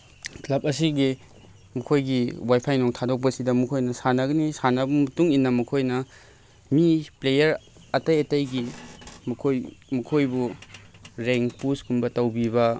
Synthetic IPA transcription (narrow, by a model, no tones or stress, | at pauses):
klɐp̚ɐsiɡi | mɐkʰojɡiwajpʰajnoŋtʰadok̚pɐsidɐmɐkʰojnɐsanɐɡɐnisanɐbumɐtuŋinːɐmɐkʰojnɐ | miplejɐɾɐtɐjɐtɐjɡimɐkʰojmɐkʰojbu | ɾeŋpuskumbɐtɐwbiβɐ